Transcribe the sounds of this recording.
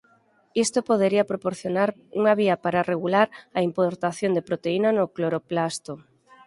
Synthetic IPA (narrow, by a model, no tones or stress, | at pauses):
ist̪opoðeɾiɐpɾopoɾθjonaɾuŋaβiapaɾareɣulaɾɐimpoɾt̪aθjond̪epɾot̪einanʊkloɾoplast̪o